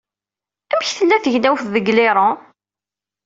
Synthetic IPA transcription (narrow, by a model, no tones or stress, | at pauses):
æmçθəlːæθəʝnæwfðəɡlɪɾˤə